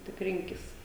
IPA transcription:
tʲɪk ˈrʲɪŋʲkʲɪs

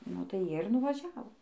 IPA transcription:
nʊ tɐɪ ˈjiɛ ɪr nʊʋɐˈʒʲæːʋoː

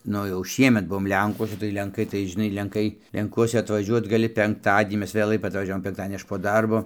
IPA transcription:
ˈnʊ jɛʊ ˈʃʲiɛmʲɛt ˈbuɔm ˈlʲɛŋkuɔsʲɛ tɐɪ lʲɛŋˈkɐɪ tɐɪ ʒʲɪˈnɐɪ lʲɛŋˈkɐɪ lʲɛŋˈkuɔsʲɛ ɐtʋɐˈʒʲuɔt ɡɐˈlʲɪ pʲɛŋkˈtɑːdʲiɛnʲiː ˈmʲɛs ʋʲeːˈlˠɐɪ ɐtʋɐˈʒʲæːʋoːm pʲɛŋkˈtɑːdʲiɛnʲiː ˈɐʃ poː ˈdɐrboː

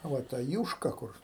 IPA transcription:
ˈʋɐ tɐ ˈjuːʃkɐ ˈkʊr

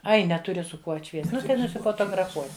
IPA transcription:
ˈɐɪ nʲɛˈtʊrʲɪ sʊ ˈkuɔ ɐtʲˈʃʲʋʲiɛst ˈnʊ tɐɪ nʊsʲɪfoːtoːɡrɐˈfuɔsʲɪ

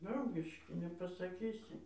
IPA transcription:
ˈdrɐʊɡʲɪʃʲkʲɪ nʲɛpɐsɐˈkʲiːsʲɪ

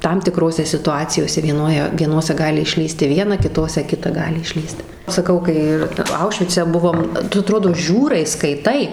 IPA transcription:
ˈtɐm tʲɪˈkroːsʲɛ sʲɪtʊˈɑːt͡sʲɪjoːsʲɛ ʋʲiɛˈnoːjɛ ʋʲiɛˈnoːsʲɛ ˈɡɑːlʲɪ ɪʃʲˈlʲiːsʲtʲɪ ˈʋʲiɛnɐ kʲɪˈtoːsʲɛ ˈkʲɪtɐ ˈɡɑːlʲɪ ɪʃʲˈlʲiːst sɐˈkɐʊ kɐɪ ˈɪr ˈɐʊʃʲʋʲɪt͡sʲɛ ˈbʊʋoːm ˈtʊ ɐˈtroːdoː ˈʒʲuːrɐɪ skɐɪˈtɐɪ

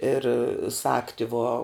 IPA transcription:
ɪr ˈsɑːktʲɪ ʋoː

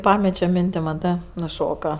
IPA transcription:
ˈpɑːmʲɛt͡ʃʲoː ˈmʲɪnʲtʲɪ mɐˈtɜ nʊˈʃoːkɐ

